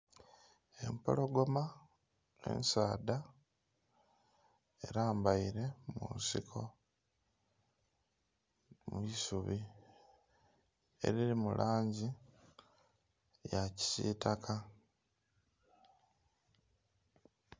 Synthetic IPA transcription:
e̞̰mpo̞̰lo̞ɡo̞ma | ḛnsaːda | e̞̰ɾaːmbaiɾe̞mṵnsikʰo̞ | muisuβi | e̞̰ɾiɾimulʔaːɲɟi | jaci̥sḭːtakʰa

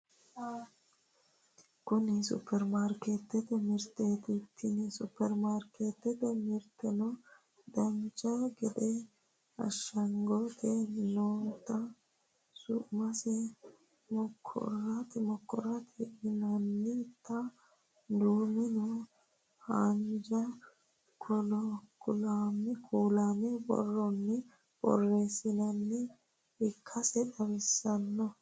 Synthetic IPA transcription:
kʊnɪsʊ̰pːɛɾmaːɾket̪ːɛt̪ɛmɪɾt̪eːt̪ɪt̪ʰːɪnɪsʊpːɛɾmaːɾkeːt̪ːɛt̪ɛmɪɾt̪ːɛnɔ | d̪ɐnt͡ʃʼɐɡɛd̪ɛ | ɐ̰ʃːɐŋɡot̪ʰɛnoːt̪ːɐ | sʊʔmɐsɛ | mɔkʰːɔ̰rːɐt̪mɔkːɔ̰ɾɐt̪ɛʔɪnɐnːɪt̪ːɐ | d̪uːmɪnɔ | hɐnd͡ʒɐ | kʰɔlɔkʰʊlamɛkʰuːlaːmɛbɔ̰rːɔnːɪ | b̥ɔ̰rːe̞ːsɪnɐnːɪ | ɪkʰːɐsɛɗɐβɛsːɐnːɔ

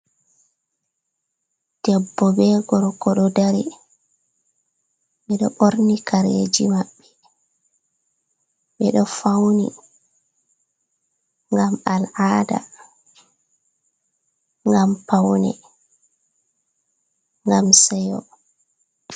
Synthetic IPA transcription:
d̥ɛbːɔbɛɡɔɾkɔɗɔdaɾḭ | ɓɛɗɔʔoɾnikʰaɾeːd͡ʒimaɓːɛ̥ | ɓɛɗɔfawnḭ | ŋɡamalʔaːda̰ | ŋɡampawnɛ̰ | ŋɡamsɛjɔ̰

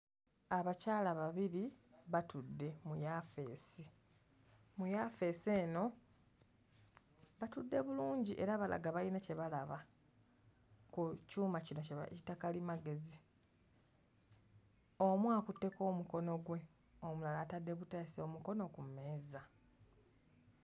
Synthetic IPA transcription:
aβacaːlaβaβiɾiβatudːe̞mujafe̞ːsi | mujafe̞seːno̞ | βatudːe̞βuluːɲɟiʔe̞ɾaβala̰ɡaβalinace̞βalaβa | kucuːmacino̞ceβa̰citakalimaɡe̞zi | o̞mwaːkutːe̞ko̞ːmuko̞no̞ɡwe̞ | omulalaːtadːe̞βutaːsio̞muko̞no̞kume̞ːza

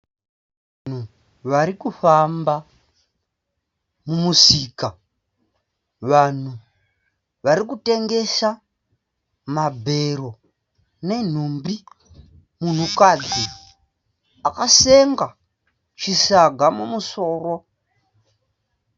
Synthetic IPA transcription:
an̤u | ʋaɾikufamba | mumusika | ʋan̤u | ʋaɾikute̞ŋɡe̞sa | mabʱe̞ɾo̞ | ne̞n̤umbi | mun̤ukad͡zi | akaseŋɡa | t͡ʃisaɡʱamumuso̞ːro̞

